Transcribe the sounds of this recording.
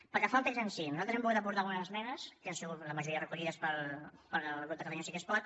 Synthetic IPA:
pəɾkefalˠt̪ekzənsinuzalt̪ɾzɛmpuɣut̪əp̬uɾt̪aɣunəzəzmɛnəskəansiɣut̪ləməʒuɾiəðərəkuʎiðəspəlpəɾlɣɾut̪əkət̪aɲosikespɔt̪̚

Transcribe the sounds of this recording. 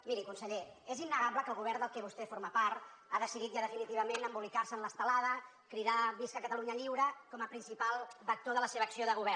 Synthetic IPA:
miɾikunsəʎeezinːəɣaβləkəlˠɣuβɛɾnd̪əlˠkɛβust̪efoɾməpaɾt̪ | aðəsiðit̪ʒaðəfinit̪iβ̞əmenəmbulikarsənləst̪əlaðə | kɾiðaβiskəkət̪əluɲəʎiwɾəkɔməpɾinsipalˠβək̚t̪oðələseβəːksioðəɣuβɛr

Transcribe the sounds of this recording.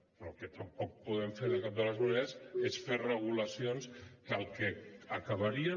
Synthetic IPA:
ploket̪ampɔk̚puðemfeɾðekap̚d̪əlazβuneasesferreɣ̞ulasionskalˠkeakaβ̞aɾia

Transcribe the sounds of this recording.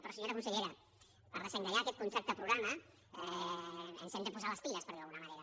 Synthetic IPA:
pɾɔsiɲoɾakunseʎeɾa | paɾðeseŋɡɾaʎaːkɛt̪̚kunsɛp̚t̪əpɾuɣɾama | ɛ | ḛnsend̪ɾepuzaləspiləspəɾðialˠɣunamaneɾa

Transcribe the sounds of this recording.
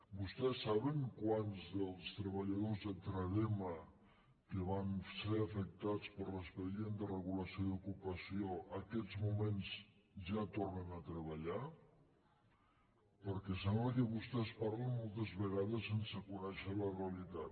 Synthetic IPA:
bust̪ɛsːaβəŋkwanzðəlˠst̪ɾəβəʎað̞ozðət̪ɾəðemə | kəβanseɾafək̚t̪at͡spəɾləspəɾjend̪ərəɣuləsioðukupəsioʔəkɛzmumenz | ʒat̪ornənət̪ɾəβəʎa | pəɾkɛs̬amləkəβust̪ɛspaɾlənmɔlˠt̪əzβəɣaðəsːensəkunɛʃələreəlit̪at̪

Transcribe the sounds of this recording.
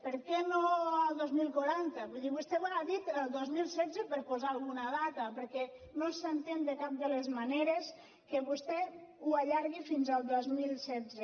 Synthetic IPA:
pəɾkɛnoəlˠd̪ozmilˠkuɾant̪əβuðiβust̪ɛβaðit̪əlˠd̪ozmilˠsɛd͡zəpəɾpozaːlˠɣunəðat̪əpəɾkɛ | nosənt̪end̪əkap̚d̪əlezmaneɾes | kəβust̪ɛuaʎaɾɣifinzəlˠd̪ozmilˠsɛd͡ze

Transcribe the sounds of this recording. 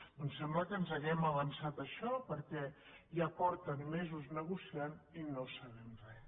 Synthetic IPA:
ɔnsɛmbləkənzəɣɛməβənsat̪əʃɔpəɾkɛ | ʒapɔɾt̪ənmezuznəɣusianinosəβɛmrɛ

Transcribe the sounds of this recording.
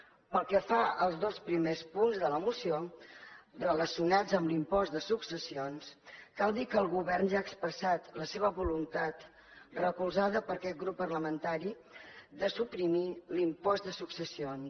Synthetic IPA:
pəlˠkɛfaəlˠzðospɾimespunzðələmusio | rələsiunad͡zəmlimpɔzd̪əsuksəsionskalˠd̪ikəlˠɣuβɛrnʒaəkspɾəsat̪ləseβəβulunt̪at̪ | rəkulˠzaðəpəɾkɛt̪̚ɡɾupːərləmənt̪aɾi | d̪əsupɾimilimpɔzd̪əsuksəsion

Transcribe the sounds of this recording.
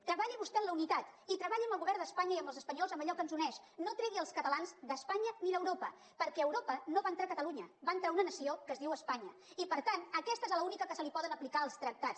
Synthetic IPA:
t̪ɾəβaʎiβust̪ɛnləunit̪at̪it̪ɾəβaʎiəmbəlɣuβɛrnd̪əspaɲəiəmbəlˠzəspəɲɔlˠzəmbəʎɔkənzunɛʃnot̪ɾɛɣiəlˠskət̪əlanzd̪əspaɲəniðəwɾopə | pəɾkɛəwɾopənoβaənt̪ɾakət̪əluɲəbaənt̪ɾaunənəsiokəzðiwəspaɲə | ipəɾt̪anəkɛst̪əezləunikəkəsəlipɔðənəplikaəlˠst̪ɾək̚t̪at͡s

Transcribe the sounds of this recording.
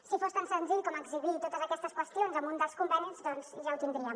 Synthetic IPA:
sifost̪ansənziʎkɔməɡziβit̪ot̪əzəkɛst̪əskwəst̪ionzəmund̪əlˠskumbənizd̪ɔnz̥ʒawt̪ind̪ɾiəm

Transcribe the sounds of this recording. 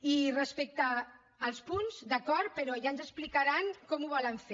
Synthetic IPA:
irəspek̚t̪aː | lˠspunzd̪əkɔɾt̪̚pəɾɔʒaənzəsplikaɾaŋkɔmuβɔləɱfe

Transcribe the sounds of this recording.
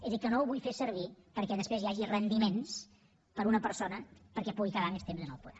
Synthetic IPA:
ezðikənowβujfesəɾβ̞ipəɾkɛðəspɾezjaʒirənd̪imens | pəɾunəpəɾsonəpəɾkɛpuɣikəβamest̪emzənə̰lˠpuða

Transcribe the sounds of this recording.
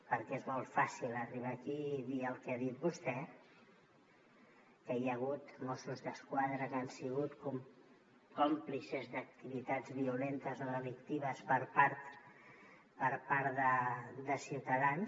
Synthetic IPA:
pəɾkɛezmɔlˠfasilˠəriβ̞akiðiəlˠkɛaðit̪̚bust̪ɛ | kəjəɣ̞ut̪mɔsuzðəskwaðɾəkansiɣut̪kum | komplisezd̪ək̚t̪iβit̪ad͡zβiulent̪əzoðəlik̚t̪iβ̞əspəɾpaɾt̪ | pəɾpaɾt̪d̪əd̪əsiwt̪əðans

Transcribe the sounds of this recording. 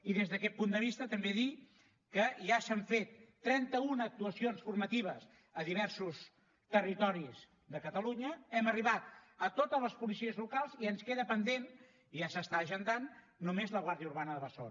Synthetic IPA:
iðezðəkɛt̪̚pund̪əβ̞ist̪ət̪əmbeði | kəʒasəɱfet̪ːɾɛnt̪əunək̚t̪uəsionsfurmət̪iβəz | əðiβ̞ɛɾsus | t̪ərit̪ɔɾiz | d̪əkət̪əluɲəɛməriβat̪̚ət̪ot̪ələspulisiəzlukalˠziənskeðəpənd̪en | iʒasəst̪aːʒənd̪anː | umezləɣwaɾðijəuɾβanəðəβəso̰n

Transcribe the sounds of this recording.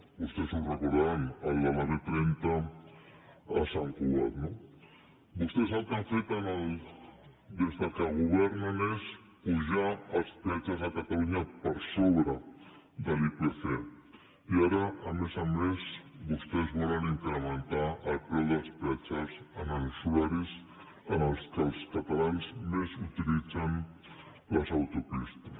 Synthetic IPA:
bust̪esuwzrəkoɾðanalˠd̪amaðet̪ɾent̪a | ɐsaŋkuβɛɾno | bust̪esalt̪aɱfet̪anal | d̪ezðakaɣuβɛɾnanes | puʒaɐspɾɛt͡ʃazakat̪aluɲapaɾsoβɾa | d̪əlipefe | iaɾəːmezəmezβust̪ezβɔləniŋkɾəmənt̪aəlpɾɛwðəspɾɛt͡ʃəsənənusuaɾis | ənəlˠskəlˠskət̪alanzmezut̪ilid͡zən | ləzawt̪upist̪ə

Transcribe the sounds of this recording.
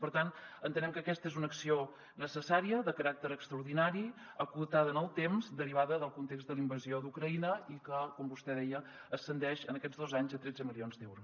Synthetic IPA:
pəɾt̪anənt̪ənɛmkəːkɛst̪əezunəksio | nəsəsaɾiəðəkəɾak̚t̪əɾəkst̪ɾəuɾðinaɾi | əkut̪aðənəlˠt̪emzd̪əɾiβaðəðəlˠkunt̪ekzd̪əlˠimbəziod̪ukɾəinəikəkɔmbust̪ɛðɛjə | əːsːənd̪ɛʃənəkɛd͡zðozaɲzət̪ɾɛd͡zəmilionzd̪ɛwɾus

